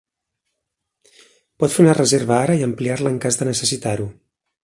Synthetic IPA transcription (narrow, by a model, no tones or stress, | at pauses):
pɔt̪feunərəzeɾβəaɾəiəmpliarləːŋkazðənəsəsit̪aɾu